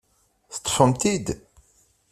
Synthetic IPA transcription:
θt̪ˤːə̥fəmt̪id̪

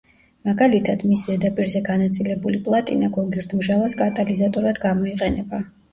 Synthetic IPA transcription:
maɡalit̪ʰad̪misɛd̪apʼiɾzɛɡanat̪sʼilɛbulipʼlˠat̪ʼinaɡɔɡiɾd̪mʒavaskʼat̪ʼalizat̪ʼɔɾad̪ɡamɔiqʼɛnɛba

